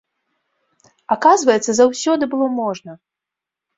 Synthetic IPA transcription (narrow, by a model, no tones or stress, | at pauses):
akazvɐjɛt̪sːɐzawsʲɔd̪ɨbɨlˠɔmɔʐnɐ